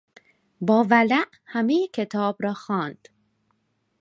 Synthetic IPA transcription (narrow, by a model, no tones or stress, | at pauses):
bɒːvælæʔ | hæmejekʰe̞t̪ʰɒːbɾɒːxɒːnd̪̥